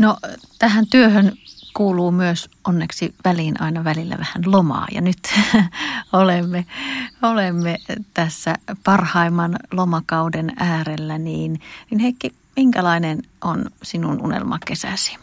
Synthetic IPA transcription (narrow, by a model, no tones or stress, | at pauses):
not̪æhænt̪yøhønkuːluːmyøsonːeksiʋæliːnʔɑ̰inɑʋælilːæ̰ʋæhænlomɑ̰ːjɑ̰nyt̪ | olemːeolemːet̪æsːæ̰pɑrhɑimːɑnlomɑkɑudenæːrelːæniːninhekːi | miŋkælɑinenʔonsinunṵnḛlmɑ̰kesæ̰si̥